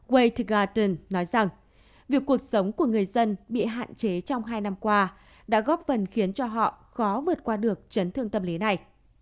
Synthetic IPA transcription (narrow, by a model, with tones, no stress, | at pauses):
ɣwe˧jt̪ɣaː˧t̪ə˧nnːɔ˨˦jza˨˩ŋ | vi˨˩əkːu˨˩ək̚sə˨˦wŋ͡mku˧˩əŋɨ˨˩əjzə˧nɓḭ˧˨ɦa̰ː˧˨nt͡ɕe˨˦t͡ɕɔ˧wŋ͡mɦaː˧jna˧mkwaː˧ | ɗa̰ː˧˥ɣɔ˦˥p̚fə˨˩nxi˨˦ənt͡ɕɔ˧ɦɔ̰˧˨ | xɔ˨˦vɨ˨˩ət̚kwaː˧ɗɨ˨˩ək̚t͡ɕə˨˦nt̪ʰɨ˧əŋt̪ə˧mli˨˦na˨˩j